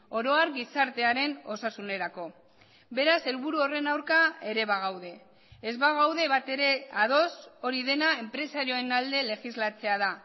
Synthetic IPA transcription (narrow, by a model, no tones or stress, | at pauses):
o̞ɾo̞aɾɡisaɾt̪e̞aɾe̞no̞sasune̞ɾako̞ | be̞ɾase̞lβuɾuo̞re̞nawɾkae̞ɾe̞βaɣ̞awðe̞ː | zβaɣ̞awðe̞βat̪e̞ɾe̞aðo̞so̞ɾiðe̞nae̞mpɾe̞saɾioenald̪e̞le̞xizlat͡se̞að̞a